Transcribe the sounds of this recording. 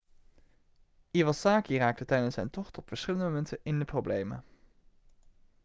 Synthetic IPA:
iʋɑsaːkiraːk̚tətɛjdənsɛ̰jntɔχtɔpfəɹsχɪləndəmomɛntənɪndəprowblejmə̰

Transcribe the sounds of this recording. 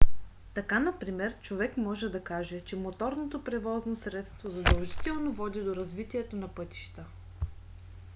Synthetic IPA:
t̪ɐkanɐpɾimɛɾt͡ʃovɛkmɔʒɛd̪ɐkaʒɛt͡ʃɛmot̪ɔɾnot̪opɾɛvɔznosɾɛt̪st̪vozɐd̪ɐlˠʒit̪ɛlˠnovɔd̪id̪oɾɐzvit̪iɛt̪onɐpɤt̪i̥ʃt̪ə

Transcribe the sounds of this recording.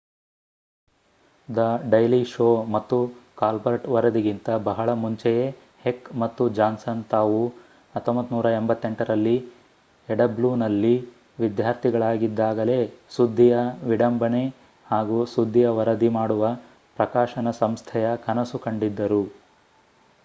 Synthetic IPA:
d̪ɐɖɐjliʃoːmɐt̪ːukaːlbɐɾɐʈʋɐɾɐd̪iɡint̪ɐbɐɦɐɭɐmuɲt͡ʃɛje | hekmɐt̪ːud͡ʒaːnsɐnt̪aːʋu | ɐt̪ːombɐt̪ːnuːɾɐembɐt̪ːe̞ɳʈɐɾɐlːi | ɛɖɐbluːnɐlːi | ʋid̪jaːɾt̪ʰiɡɐɭaːɡid̪ːaːɡɐle̞ːsud̪ʱːijɐʋiɽɐmbɐne̞ | haːɡusud̪ʱːijɐʋɐɾɐd̪imaːɽuʋɐ | pɾɐkaːʃɐnɐsɐmst̪ʰɛjɐkɐnɐsukɐɳɖid̪ːɐɾu

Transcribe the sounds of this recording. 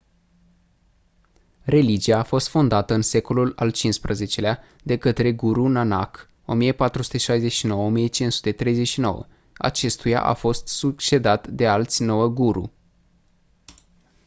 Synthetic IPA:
re̞lid͡ʒiaːfo̞st̪fo̞nd̪at̪əɨnse̞ko̞lula̰lt͡ʃinspɾəze̞t͡ʃe̞lea | d̪e̞kət̪ɾe̞ɡuɾunana̰k | o̞mijəpat̪ɾusu̥t̪e̞ʃajze̞ʃino̞wəomijət͡ʃinsu̥t̪e̞t̪ɾe̞jzeʃino̞̰wə̰ | a̰t͡ʃe̞st̪uja̰ʔa̰fo̞st̪sukt͡ʃe̞d̪at̪d̪e̞alt̪sʲno̞wəɡuɾṵ

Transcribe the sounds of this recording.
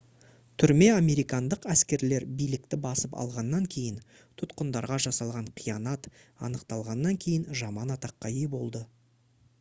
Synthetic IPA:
t̪ʰʏɾme̞ame̞ɾijkɑnd̪əqæskʲe̞ɾle̞ɾbijlɪk̚t̪ɪbɑsəpɑ̰lˠʁɑnːɑŋkʲʰe̞jɪn | t̪ʰʊt̪qənd̪ɑɾʁɑʒɑsɑlˠʁɑɴqʰijɑnɑt̪ɑ̰nəqt̪ɑlˠʁɑnːɑŋkʲʰe̞jɪnʒɑmɑnɑt̪ɑqːɑʏjbo̞lˠd̪ə

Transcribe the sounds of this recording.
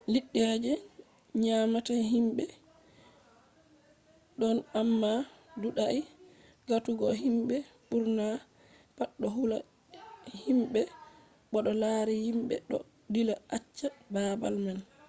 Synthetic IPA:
liɗːɛd͡ʒɛ | ɲamataɦimbɛ | ɗɔnamːaduɗaʔi | ɡatuɡɔɦimɓɛɓuɾna | paɗːɔɦula | himɓɛ | ɓɔɗɔlaːɾihimɓɛ̰ɗɔ̰ | dilaʔat͡ʃːababa̰lman

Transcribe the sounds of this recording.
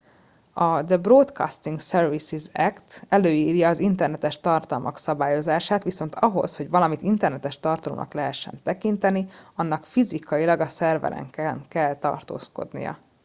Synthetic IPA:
ɒd̪əbrot̪kɒ̰st̪iŋksɛrvisizɛkt̪ɛløːiːrjɒːzint̪ɛrnɛt̪ɛʃt̪ɒrt̪ɒlmʔɒ̰ksɒbaːjo̞zaːʃaːt̪ʋiso̞nt̪ɒɦo̞̰sho̞ɟʋɒlɒmit̪int̪ɛrnɛt̪ɛʃt̪ɒrt̪ɒlo̰mnɒ̰klɛɦɛʃːɛ̰nt̪ɛkint̪ɛniɒnːɒkfizikɒjilɒɡɒsɛrvɛ̰lɛ̰ŋkɛŋkɛlt̪ɒ̰rt̪o̰ːsko̞̰d̪nḭjɒ̰

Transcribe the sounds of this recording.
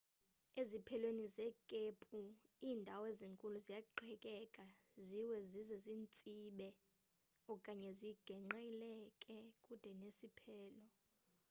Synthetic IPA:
ezipʰɛlwenizɛkʼepʼuiːndʱaweziŋkʼuluzijaǃʰɛkʼɛkʼaziwɛzizɛziːnt͡sʼiɓɛ | ɔkʼaɲɛziɡ̥ʱɛŋ͡ǃajilɛkʼɛkʼud̥ʱɛnesipʰɛːlɔ

